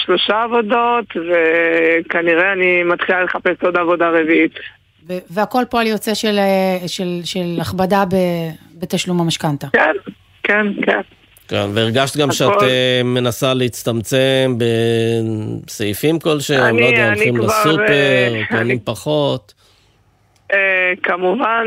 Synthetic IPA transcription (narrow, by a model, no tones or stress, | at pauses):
ʃlo̞ʃaːvo̞do̞t̪vekaniʁeanimat̪χilale̞χapesod̪avodaʁeviit̪ | veveako̞lpoaljot͡se̞ʃelʃelʃelaχbadabebetaʃlumamaʃkant̪aken | kenken | kḛnveiʁɡaʃt̪ɡamʃeateme̞nasaleit͡st̪amt͡se̞mbe̞ | seifimko̞lʃeanmadaχimlasupeʁonimpaχo̞t̪ | ekamuvan